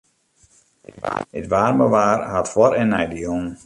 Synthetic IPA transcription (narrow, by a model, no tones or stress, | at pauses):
ətʋaːrməʋaːrhatfwɔɾɛnːɛjdəjoŋ